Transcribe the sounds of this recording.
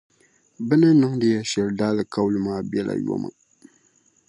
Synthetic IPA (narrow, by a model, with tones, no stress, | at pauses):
bɛ˦nɨ˦nɨ˦ŋdɨ˦jɛ˦ʃɛ˨ldaː˦lɨ˨ka˦blɨ˦maː˦bjɛ˦la̰˨jo̰˦ma̰˨